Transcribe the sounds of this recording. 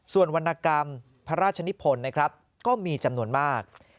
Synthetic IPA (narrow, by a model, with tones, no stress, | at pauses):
su˨˩ənwa˧nːʔa˧ka˧m | pʰa˦˥ɾaː˥˩t̪̚t͡ɕʰa˧ni˦˥pʰo˧nːa˦˥kʰɾa˦˥p̚ | kɔː˥˩miː˧t͡ɕa˧mnu˧ənmaː˥˩k̚